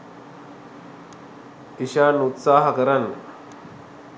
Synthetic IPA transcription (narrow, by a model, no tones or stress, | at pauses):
iɕaːnut̪saːɦɐkəɾɐn